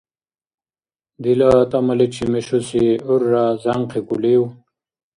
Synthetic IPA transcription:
d̪ilat̪ɐmɐlet͡ɕʰimeʂusiuɾːazaŋqʰekulew

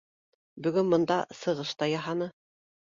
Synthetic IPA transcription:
bɵ̆ɡɵnmɤ̆nd̪ɑsɤ̆ʁɤʃt̪ɑjɑɦɑnɤ

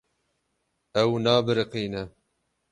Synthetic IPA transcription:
ɛwnɑːbɨɾɨqiːnɛ

